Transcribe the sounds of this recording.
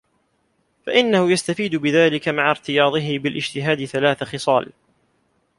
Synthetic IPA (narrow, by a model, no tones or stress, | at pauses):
faʔɪnːahʊjast̪afiːd̪ʊbɪðaːlɪkamaʕaɾt̪ɪjɑːðˤɨɦɪbɪlʔɪd͡ʒt̪ɪɦaːd̪ɪθalaːθaxɪsˤɑːl